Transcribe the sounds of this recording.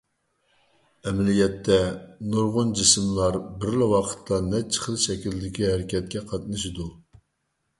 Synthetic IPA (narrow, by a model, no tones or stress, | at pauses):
ɛmlijɛt̪ʰːɛnuɾʁʊnd͡ʒismlˠɑɾbɪɾlɪwɑqʰə̥t̪ʰːɑnɛt͡ʃʰːə̥χəlˠʃɛkʲild̪ɪkʲihæɾɪkʲɛt̪̚kʲɛqʰɑt̪nɨʃ̬id̪u